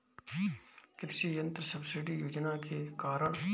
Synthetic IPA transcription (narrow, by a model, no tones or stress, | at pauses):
kɪpsijə̃nt̪ɾəsɐbsɪɖijoːd͡ʒnakekaːɾəɽ̃